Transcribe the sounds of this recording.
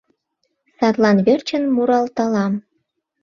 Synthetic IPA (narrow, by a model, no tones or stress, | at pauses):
sɑt̪lɑnβert͡ɕənmuɾɑlt̪ɑlɑm